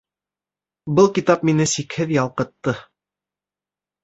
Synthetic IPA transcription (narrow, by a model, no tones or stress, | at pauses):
bɤlˠkit̪ɑpminɘsikhɘðjɑlˠqɤ̆t̪ːɤ